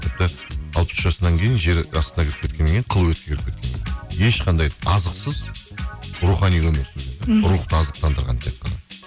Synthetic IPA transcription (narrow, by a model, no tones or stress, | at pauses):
t̪ʰɪp̚t̪əɑlˠpə̥sʒɑsənɑŋkʲʰe̞jɪnʒe̞ɾɑ̰st̪ənɑkʲʰɪɾɪpkʲet̪̚kʲenːeŋʲkʲeɴqʰəlˠəwɵt̪kʲeeɾɪp̚kʲe̞t̪kʲeneje̞ʃqʰɑnd̪ɑjɑzəqsəz | ɾuχɑnijwɵmeɾsɪnzeɪɾuχt̪əɑzəq̚t̪ɑnd̪əɾʁɑ̰nt̪ʰe̞t̪̚qːɑnɑ̰